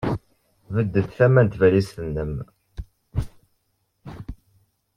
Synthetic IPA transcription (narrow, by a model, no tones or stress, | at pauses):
vəd̪ːəθθæmænt̪vælisθənːəm